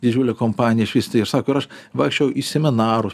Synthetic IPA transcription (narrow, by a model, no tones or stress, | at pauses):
d̪ʲɪd͡ʒʲuːlʲɛkompɑːnʲɪjɛɪʃʲʋʲiːsʲt̪ʲeɪɾsɑːkoʊɪɾɐʃʋɐːksʲt͡ʃʲojɛʊʔisʲɛmʲɪnɑːɾʊ